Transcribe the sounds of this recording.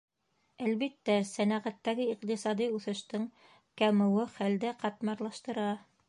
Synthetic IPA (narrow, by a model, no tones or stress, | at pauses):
ælβit̪ːæsænæʁæt̪ːæɡɘiqt̪isɑd̪iʉθɘ̆ʃt̪ɤŋ | kæmɘ̆wɘχæld̪ɘqɑt̪mɑɾlˠɑʃt̪ɤ̆ɾɑ